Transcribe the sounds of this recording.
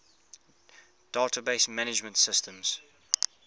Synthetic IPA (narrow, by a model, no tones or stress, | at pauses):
d̥aːtʰəbeɪsmænɪd͡ʒmə̃ntsɪstʰə̃mz̥